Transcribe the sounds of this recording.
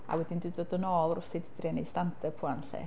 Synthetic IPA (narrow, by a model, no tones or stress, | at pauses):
a̰wɛdɪndɪdoːdənɔːlrʊsɪdɪdrjanejstantʰəpʰuanɬɛ̰